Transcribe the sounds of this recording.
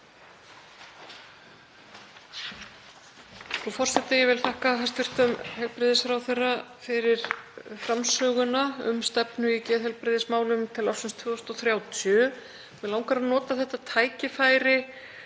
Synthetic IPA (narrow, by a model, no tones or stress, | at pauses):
θɾufɔr̥sɛt̪ɪjɛvɪlθahkaɦḁst̪vʏr̥t̪ʏmhɛlpɾɪðɪsfɾawθɛrːafɪɾɪɾ̥fɾamsœːɣʏnaʏ̰mst̪ɛpnʏicɛːðɦɛlpɾɪðɪsmaːwlʏmt̪ʰɪlafsɪnst̪ʰvʏːst̪ɔθɾjaːwt̪ʰœ | vɛðlawŋkaɾanɔːt̪aθɛht̪at̪ʰaːjcɪfaːjɾɪ